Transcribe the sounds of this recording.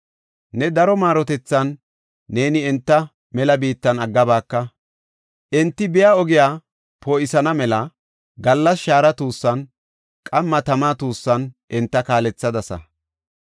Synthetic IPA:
nɛd̪ɐɾɔmaːɾɔt̪ɛt͡sːɐnː | e̞ːnɪɛnt̪ːɐ | mɛlɐbiːt̪ːɐnɐɡːɐbaːkːɐ | ʔɛnt̪ːɪbɪjaːɔɡɪjaː | poːɪsɐnɐmɛlɐ | ɡɐlːɐsʃaːɾɐt̪uːsːɐn | kʼɐmːɐt̪ɐmaːt̪uːsːɐnʔɪnt̪ːɐkaːlɛt͡sːɐd̪ɐsɐ̰

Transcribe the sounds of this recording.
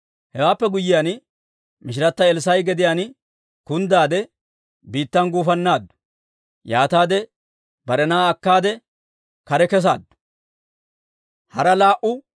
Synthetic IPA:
hɛwaːpːɛɡʊjːɪjan | mɪʃ̬ɪɾɐt̪ːɐɛlsɐjɡɛd̪ɪjaːn | kʊnd̪aːd̪ɛ | biːt̪ːɐnɡuːfɐnːaːd̪ːʊ̥ | jaːt̪aːd̪ɛ | bɐɾɛnaːɐkːaːd̪ɛ | kɐɾɛkɛs̬a̰ːd̪ːʊ̥ | hɐɾɐlaːʔʊ

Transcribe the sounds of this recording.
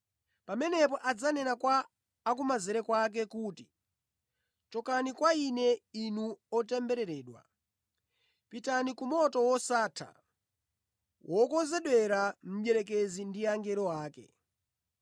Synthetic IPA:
pamɛnɛp̬ɔʔad͡zanɛnakwaː | kumazɛɾɛkwak̬ɛkuːti̥ | t͡ʃɔkanikwainɛinuɔtɛmbɛɾɛɾɛːɗwa̰ | pitanikumɔtɔwɔsaːtʰa̰ | wʔɔkɔnzɛɗwɛɾam̩ɓjɛɾɛk̬ezindiaŋɡɛɾɔwaːkɛ̰

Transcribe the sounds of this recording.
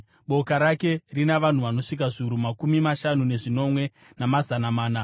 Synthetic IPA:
ɓo̞kaɾake̞rinaʋan̤uʋano̞ʂik̬aʐiuɾumakumimaʃanune̞ʐino̞mwe̞ | namazanamaːna

